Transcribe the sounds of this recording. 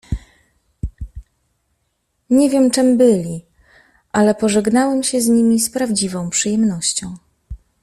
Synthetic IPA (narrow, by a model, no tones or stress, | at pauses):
ɲɛvʲjɛmt͡ʂɛmbɘlʲi | ʔalɛpɔʐɛɡnawɛmɕɛzɲimʲispɾavd͡ʑivɔ̃w̃pʂɘjɛmnɔɕt͡ɕɔ̃w̃